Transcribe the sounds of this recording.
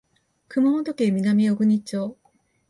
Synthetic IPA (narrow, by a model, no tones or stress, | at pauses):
kʰɯmɯmot̪okemʲinamʲijoɡɯɲit͡ɕo